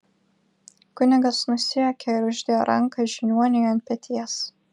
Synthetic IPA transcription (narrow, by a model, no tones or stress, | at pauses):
kʊnʲɪɡɐsnʊsʲɪokʲɛɪɾʊʒʲd̪ʲejoɾʔɐ̰ŋˑkɐʒʲɪnʲuɔnʲɪjɐnt̪̚ʲpʲɛt̪ʲiɛs